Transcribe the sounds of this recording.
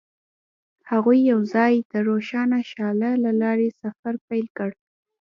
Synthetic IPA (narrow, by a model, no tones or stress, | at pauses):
haɣujːawzɑjd̪əɾoʃɑnaʃɑlalalɑɾesafaɾpajlkəɽ